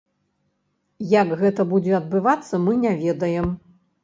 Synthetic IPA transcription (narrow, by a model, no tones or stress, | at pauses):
jɐkɣɛt̪ɐbud͡zʲɛɐd̪̚bɨvat̪sːɐmɨnʲavʲɛd̪ɐjɛm